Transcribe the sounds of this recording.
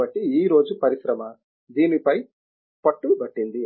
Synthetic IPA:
ɐʈːiiːɾo̞ːd͡ʒupɐɾiʃɾɐmɐ | d̪iːnipɐj | pɐʈːuɽubɐʈːind̪i

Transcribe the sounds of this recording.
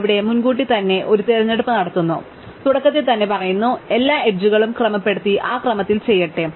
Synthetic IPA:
ʋiɽe̞munɡuːʈːit̪ɐnːe̞ʔo̞ɾut̪eɾɐɲːeɽupːɨnɐɽɐt̪ːunːu | t̪uɽɐkːɐt̪ːet̪ɐnːe̞pɐrɐjunːue̞lːaːeʈ̚d͡ʑuɣɐɭumkrɐmɐpːe̞ɽut̪ːiʔaːkrɐmɐt̪ːilt͡ɕe̞jːɐʈːɨ

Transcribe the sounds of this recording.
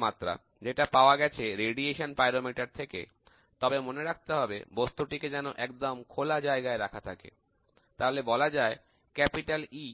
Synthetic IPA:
mat̪ːɾa̰ | d͡ʑeʈapaoaɡɛt͡ɕʰeɾeɖieʃonpajɾomiʈaɾt̪ʰekḛ | t̪ɔbemoneɾak̚ʰt̪eɦɔbḛbost̪uʈiked͡ʑɛnoʔɛkd̪omkʰolad͡ʑaeɡaeɾakʰat̪ʰakḛ | t̪aɦolebɔlad͡ʑae | kɛpiʈali

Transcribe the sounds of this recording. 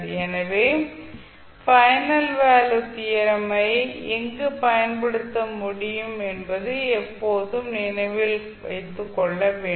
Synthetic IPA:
ɛnɐʋeː | fɐjnɐlʋaːlɯt̪ijɐɾɐmɐɪɛŋɡɯpɐjɐnpɐɽɯt̪ːɐmʊɽɪjɯmɛnbɐðɯɛpːoːðɯmnɪnɐɪʋɪl | ʋɐ̰ɪt̪ːɯkːɔɭːɐʋeː

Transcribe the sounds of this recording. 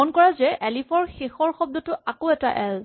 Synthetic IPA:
ɔnkɔɹazɛʔɛlipʰɔɹxexɔɹxɔb̚dɔtʊakoɛta̰ʔɛl

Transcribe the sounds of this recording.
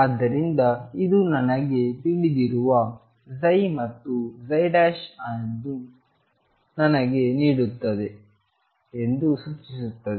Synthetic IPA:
ad̪ːɐɾind̪ɐid̪unɐnɐɡe̞t̪iɭid̪iɾuʋɐ | zɐjmɐt̪ːuzɐjɖaːʃɐɐd̪u | nɐnɐɡe̞niːɽut̪ːɐd̪e | end̪usut͡ʃːisut̪ːɐd̪e

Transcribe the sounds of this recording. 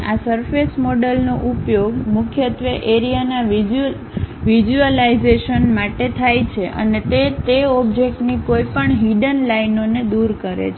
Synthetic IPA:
asəɾfʰesmoɖəlnoʔupjoɡmʊkʰjət̪ʋəʔeɾijanaʋi | ʋid͡ʒuəliizeʃənmaʈet̪ʰajt͡ʃʰeʔə̰net̪et̪eɔbd͡ʒek̚ʈnikoipəɳɦiɖənlajnoned̪uɾkəɾḛt͡ʃʰ

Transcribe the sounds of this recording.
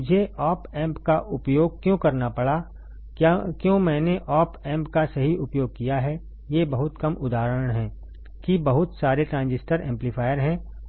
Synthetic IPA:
ʊd͡ʒʱeɔːpɛ̃ːmpkaʔʊpjoːɡ̚kjõːkɐɾnapɐɽa | kjõːmɛ̃ːneʔɔːpɛ̃ːmpkasɐɦiʔʊpjoːɡ̚kijaɦɛ | jebɐɦʊt̪kɐmʊd̪aːɾəəɳ̃ɦɛ̃ː | kibɐɦʊt̪saːɾeʈɾãːnd͡ʒɪsʈəɾɛ̃ːmplifʰaːjəɾɦɛ̃ː

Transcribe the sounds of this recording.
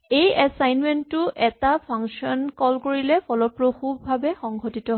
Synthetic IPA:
ejɛsajnmɛntːʊʔɛtapʰaŋksɔnkɔlkoɹilɛpʰɔlɔpɹoxubːʱabɛxɔŋɡʱotitɔɦ

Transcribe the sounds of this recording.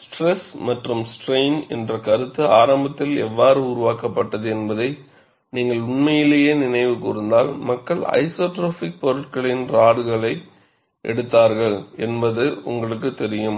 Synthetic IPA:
sʈrɛsmɐʈrɯmsʈreɪnɛ̰ndrɐkɐɾɯt̪ːɯaːɾɐmbɐt̪ːɪlɛ̰ʋːaːɾɯʊɾʊʋaːkɐpːɐʈːɐðɯɛnbɐðɐɪ | niːŋɡɐɭʊɳmɐjɪlejeːnɪnɐɪʋɯkʊɾɯnd̪aːlmɐkːɐɭɐ̰ɪsoːʈɾoːfɪk̚pɔɾɯʈ̚kɐɭɪnɾaːɽɯɣɐɭɐɪ | ʔɛ̰ɽɯt̪ːaːɾɣɐɭɛnbɐðɯʊ̰ŋɡɐɭɯkːɯt̪ːɛɾɪjɯm

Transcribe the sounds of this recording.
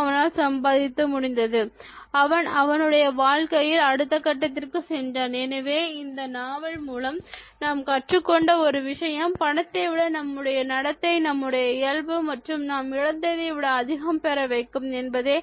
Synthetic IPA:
ɐʋɐnaːlsɐmbaːðɪt̪ːɐmʊɽɪnd̪ɐðɯɐʋɐnɐʋɐnɯɽɐjɐʋaːɻkɐjɪlɐɽɯt̪ːɐkːɐʈːɐt̪ːɪrkɯsɛndaːnɛnɐʋeːɪnd̪ɐnaːʋɐɭmuːlɐmnaːmkɐʈrɯkːɔɳɖɐɔɾɯʋɪʂɐjɐmpɐɳɐt̪ːɐʋɪɽɐnɐmːɯɽɐjɐnɐɽɐt̪ːɐɪnɐmːɯɽɐjɐɪjɐɭʋɯmɐʈrɯmnaːmɪɻɐnd̪ɐðeʋɪɽɐːðɪɣɐmpɛɾɐʋɐɪkːɯmɛnbɐðeː

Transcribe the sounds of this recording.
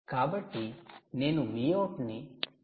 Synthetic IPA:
kabəʈːinenũmijoʈni

